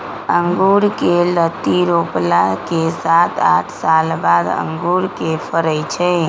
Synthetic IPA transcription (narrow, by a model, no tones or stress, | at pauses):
əŋɡuɾkelət̪iɾoplakesat̪a̰ʈʰsalbad̪ə̰̃ŋɡuɾkepʰəɾət͡ʃʰɛ